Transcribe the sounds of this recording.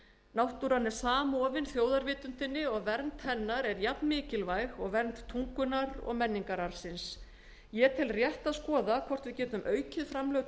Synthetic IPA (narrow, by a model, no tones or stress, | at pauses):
nawht̪uɾanːɛɾ̥saːmɔːvɪnθjoːwðaɾvɪːt̪ʏnt̪ɪnːɪɔɣvɛɾnt̪hɛnːaɾɛɾjapnmɪːcɪlvajɣɔɣvɛɾnt̪t̪ʰuŋkʏnaɾɔ̰ɣmɛnːiŋkaɾaɾ̥sɪns | jɛːt̪ʰɪlrjɛht̪aðskɔːðakʰvɔr̥t̪vɪðcɛːt̪ʏmʔœːɥcɪðfɾamlœw̪